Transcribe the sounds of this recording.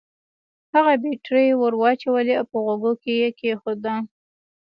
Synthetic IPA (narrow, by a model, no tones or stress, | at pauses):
haɣabeʈɾəjwəɾwɑt͡ʃawəliawpəɣoɡokejekexod̪a